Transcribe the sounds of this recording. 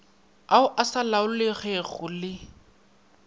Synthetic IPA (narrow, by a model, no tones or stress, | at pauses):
aʊʔasalaʊlɪɣɛɣʊlɪ